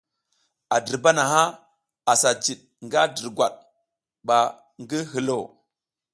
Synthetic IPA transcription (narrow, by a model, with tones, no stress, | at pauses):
a˨di˨ɾba˦na˨ɦa˦ | a˨sa˨d͡ʒi˨ɗ̚ | ŋɡa˦di˨ɾɡwa̰˨ɗ̚ | ɓa˨ | ŋɡi˦ɦi˨lo˦˨